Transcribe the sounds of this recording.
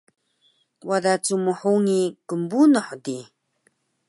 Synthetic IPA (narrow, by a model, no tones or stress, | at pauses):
wadat͡suməħuŋikəmbunəħd̪i